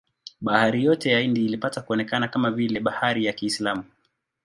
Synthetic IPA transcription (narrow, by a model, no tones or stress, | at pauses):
ɓahaɾijɔtɛjaindiːlipatakuɔnɛkanakamavilɛɓahaɾijakiːslamu